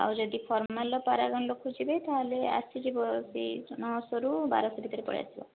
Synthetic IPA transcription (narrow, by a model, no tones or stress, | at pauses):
a̰wd͡ʒɔd̪ipʰɔɾmalɔpaɾaɡɔnlokʰud͡ʒibejt̪aɦlea̰sid͡ʒibɔsḭnɔɦɔsɔɾuba̰ɾɔsɔbʱit̪ɔɾepɔ̰ɽḭj̰a̰sibɔ̰